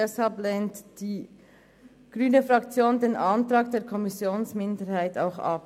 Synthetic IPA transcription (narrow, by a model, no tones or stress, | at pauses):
ɛshalplɛntd̥iː | ɡ̥ʁyːnəfʁɑkt͡sjoːndeːnʔɑntɾɑːk̚d̥eːɾkʰɔmɪsjoːnsmɪndəɾhaɪta̰ʊxɑ̰p̚